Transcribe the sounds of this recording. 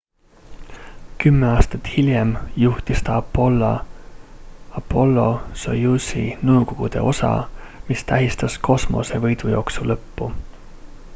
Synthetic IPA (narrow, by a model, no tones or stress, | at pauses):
kymːeɑːst̪ɑt̪hiljemjuht̪ist̪ɑɑpo̞lːɑ | ɑpːo̞lːo̞so̰jusḭnɤwko̞ɡ̥ud̪̥e̞̰ʔo̞sɑ̰mist̪æɦist̪ɑskʰo̞smo̞̰se̞vɤjd̪̥ujo̞ːksulɤpːu